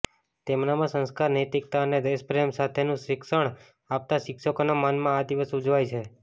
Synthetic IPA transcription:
t̪emnamãsə̃nskaɾnəjt̪ik̚t̪aəned̪espɾemsat̪ʰenũʃɪkʃəɳ̃ | ap̚t̪aʃɪkʃəkonamanmãad̪iʋəsud͡ʒʋajt͡ʃʰe

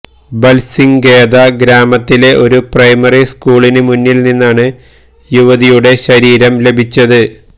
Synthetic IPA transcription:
bɐlsiŋɡe̞ːðɐɡɾaːmɐt̪ːile̞ʔo̞ɾuprɐjmɐriskuːɭinɨmunːilninːaːɳɨ | juʋɐðijuɽe̞ɕɐɾiːɾɐmle̞bʱit͡ɕːɐðɨ

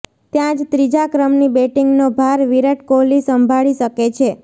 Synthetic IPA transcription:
t̪jãd͡ʒt̪ɾid͡ʒakɾəmnibeʈiŋɡnobʱaɾʋiɾəʈkolisəmbʱaɭiʃəket͡ʃʰe

